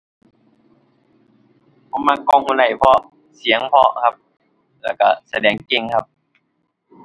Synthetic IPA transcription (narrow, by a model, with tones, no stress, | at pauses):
pʰɔ˧˦maː˧kɔː˧˨ŋhuː˧˨nla˧˩jpʰɔ˧ | si˨˦əŋpʰɔ˧kʰa˧p̚ | lɛː˧˩wka˧˩sa˧dɛː˨˩ŋke˧˨ŋkʰa˧p̚